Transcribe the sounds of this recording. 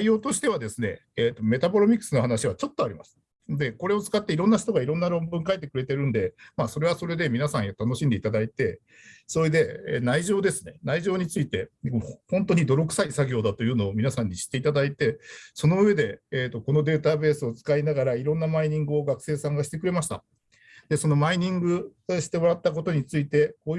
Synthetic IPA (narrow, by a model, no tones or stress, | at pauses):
aijo̞ːt̪o̞ɕi̥t̪e̞β̞ad̪e̞sɨne̞̰ːt̪ːo̞me̞t̪abo̞ɾomʲikːɯ̥sɨno̞ɦanaɕiβ̞at͡ɕo̞t̪ːoaɾʲimasɨ̥ | d̪e̞ko̞ɾe̞o̞t͡sɨ̥kat̪ːe̞iɾonːaɕi̥t̪o̞ɡaiɾõ̞nːaɾõ̞mbɯ̟̃ŋkaet̪ːe̞kɯ̟ɾe̞t̪e̞ɾɯ̟̃nd̪e̞maːso̞ɾe̞βaso̞ɾe̞d̪e̞mʲinasãɰ̃jat̪ano̞ɕĩnd̪e̞it̪ad̪ait̪e̞ | so̞ɾed̪e̞naiʑo̞ːd̪e̞sɨne̞̰naiʑo̞ːɲ̟it͡sɨit̪e̞hõ̞nt̪o̞ɲ̟id̪o̞ɾo̞kɯ̟̥saisaɡʲo̞ːd̪at̪o̞jɯ̟ːno̞ːmʲinasãɲ̟ːiɕi̥t̪ːe̞it̪ad̪ait̪e̞so̞no̞ɯ̟βe̞d̪e̞eːt̪ːo̞ko̞no̞d̪e̞ːt̪abe̞ːsɨo̞t͡sɨ̥kainaɡaɾaiɾõ̞nːamaiɲ̟ĩŋɡɯ̟o̞ɡakɯ̟̥se̞ːsãŋɡaɕi̥t̪e̞kɯ̟ɾe̞maɕi̥t̪a̰ | d̪̥e̞so̞no̞maiɲ̟ĩŋɡɯ̟ɕi̥t̪e̞mo̞ɾat̪ːak̬o̞t̪o̞ɲ̟it͡sɨit̪e̞koː